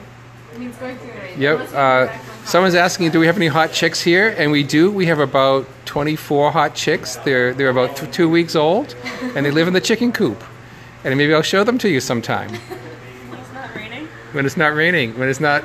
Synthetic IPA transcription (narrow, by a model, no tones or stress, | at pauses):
jɛʌsʌ̃mwʌ̃nzæskɪ̃ŋdɨwiɨvɛniɦɑt̚t͡ʃʰɪkshiɹɨ̃nwidɨwiɨvɨbaʊtʰw̥ɛ̃ɾ̃ifɔɹɦɑt̚t͡ʃʰɪksðə˞ðə˞ɨbaʊttʰʉwiksoʊlˠdɨ̃nðeɪlɪvn̩ðɨt͡ʃʰɪkɨ̃nkʰup | ɨ̃nmeɪbiaɪlˠʃoʊðə̃m̩tʰɨjɨsʌ̃mtʰã̰ɪ̃m | wɨ̃nɨtsnət̚ɹẽɪ̃ñɪ̃ŋwɨ̃nɨtsnət̚